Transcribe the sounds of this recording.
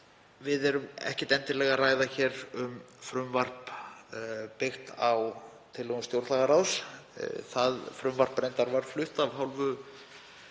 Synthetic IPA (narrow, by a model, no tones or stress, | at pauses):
vɪðɛɾʏmɛ̰hcɛ̥t̪ɛnt̪ɪɾlɛɣaraːjðaçɛːɾʏmfɾʏmvar̥p | pɪxt̪aw | t̪ʰɪlɛɣʏmst̪jowɾt̪laɣaɾaws | θaðfɾʏmvar̥pːɾejnt̪aɾvaɾ̥flʏht̪avɦawlvʏ